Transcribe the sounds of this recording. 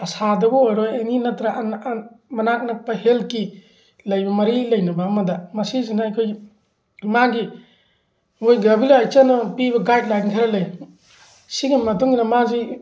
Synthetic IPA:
ɐsadɐbɔojɾojeninɐtɾaʔnmɐnak̚nɐpɐɦelki | lɐjbɐmɐɾilɐjnɐbamɐdɐmɐsizinaɐjkʰoj | maɡi | ojɡabilaajt͡ʃanɐpibɐɡajt̚laɡiŋkʰaɾalɐj | siɡimɐt̬uŋinɐmazi

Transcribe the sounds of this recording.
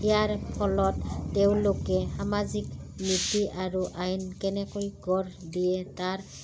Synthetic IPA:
ɛjaɹpʰɔlɔtːeʊ̃lokɛhamazikmitiʔaɹuʔajnkɛnɛkojɡɔɹdijɛtaɹ

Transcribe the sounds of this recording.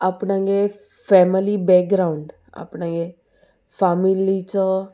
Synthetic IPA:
apnãŋɡe | fɛmilibɛːk̚ɡɾauɳɖ | a̰pnãŋɡe | faːmilit͡ʃɔ

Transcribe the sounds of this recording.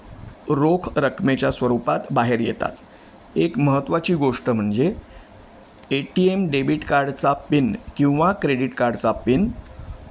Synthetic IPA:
ɾokʰɾəkʰmet͡ɕjasʋəɾupat̪baɦeɾjḛt̪a̰t̪ | ekməɦət̪ːʋat͡ɕiːɡoʂʈəm̤əɳd͡ze | eʈiemɖebiʈkaɾɖt͡sapinkĩw̃ʋakɾeɽiʈkaɾɖt͡sapin

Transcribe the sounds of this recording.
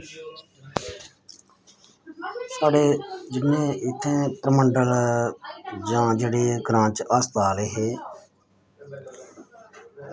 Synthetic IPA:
saːɽeːd͡ʒɪmːẽːɪt̪ʰːẽːpɾəməɳɖəl | d͡ʒãːd͡ʒeːɽeːɡɾãːt͡ʃəːst̪aːleːɦeː

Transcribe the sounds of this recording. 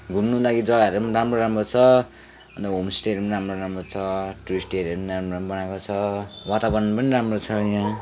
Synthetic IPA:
ɡʱumnulaɡid͡zʌɡaʌɾumanramroɾamrot͡sʰʌ | ʌnt̪ʌɦomsʈeɾmanɾamroɾamrot͡sʰʌʈurisʈeɾʌɾumiɾamroabʌnakot͡sʰʌwat̪abʌnʌnpʌniɾamrot͡sʰʌjã

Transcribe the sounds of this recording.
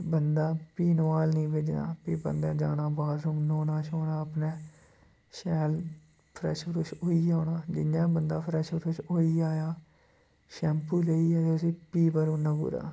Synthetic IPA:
bənd̪aːpiːnəʋaːlnĩːʋed͡ʒnã̰ːpiːbə̰nd̪aːd͡ʒa̰ːnaːbaːd̪ɾuːmnoːnaːʃoːnãːəpneː | ʃɛːl | pʰɾɛ̰ːʃbəɾʊːʃoːiːaːnãːd͡ʒɪnjãːbənd̪aːpʰɾɛːʃbəɾʊːʃoːiːaːjaː | ʃɛːmpuːleːiːɛːt̪eəsĩːpiːbəɾõːnãːbṵːɾa̰ː

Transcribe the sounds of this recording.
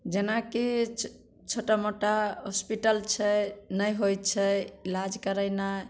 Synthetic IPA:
d͡ʒenaki | t͡ʃʰoʈamoʈaɦospiʈəlt͡ʃʰɛnəjɦojt͡ʃʰɛilad͡ʒkəɾəjna

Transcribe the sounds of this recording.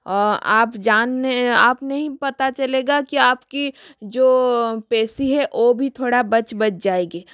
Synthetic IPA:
ɔːɾa̰ːpd͡ʒaːnːeaːpnɐɦĩpɐt̪at͡ʃɐleːɡakiaːpkid͡ʒoːpɛːsiɦɛʔoːbʱit̪ʰoːɽabɐt͡ʃbɐt͡ʃd͡ʒaːeːɡeː

